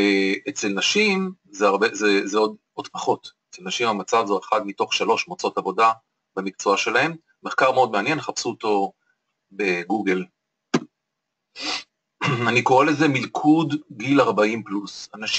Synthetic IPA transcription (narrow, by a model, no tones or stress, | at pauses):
et͡se̞lnaʃimzeaʁbezezeo̞d | o̞dpaχo̞tet͡selnaʃimamat͡savzoeχad̪mito̞χʃalo̞ʃmot͡so̞tavo̞da | bamik̚t͡soaʃe̞lahe̞mː | e̞χkaʁmeo̞d̪meanje̞nχapsuoto̞ | be̞ɡuɡel | aniko̞ʁele̞ze̞milkʰudɡilaʁbaimplusanaʃ